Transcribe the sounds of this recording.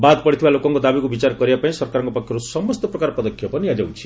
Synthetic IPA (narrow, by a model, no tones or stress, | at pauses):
bad̪pɔɽit̪ʰibalokɔŋkod̪abikubit͡ʃaɾkɔɾibapaĩsɔɾkaɾɔŋkoɔpɔkʰjɔɾusɔmɔst̪ɔpɾɔkaɾpɔd̪ɔkʰːjɔpɔniad͡ʒaw̃t͡ʃʰi̥